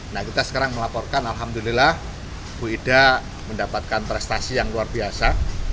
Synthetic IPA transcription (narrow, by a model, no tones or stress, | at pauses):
nahkit̪asə̥kaɾaŋməlapɔrkanalɦamd̪ulilah | b̥uida | məndapat̪̚kanpɾɛst̪asijaŋluarbiasa